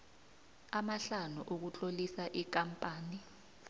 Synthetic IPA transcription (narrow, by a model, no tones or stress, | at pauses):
amaɬanuʔok̬ut͡ɬʼolisaʔik̬ampʼaːni